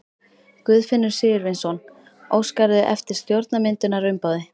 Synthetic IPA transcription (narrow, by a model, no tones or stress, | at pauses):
kvʏːðfɪnːʏɾ̥sɪːjʏɾvɪnsɔn | oːwskaɾðʏʔɛft̪ɪɾ̥st̪jowɾt̪namɪnt̪ʏnaɾʏɥmpawðɪ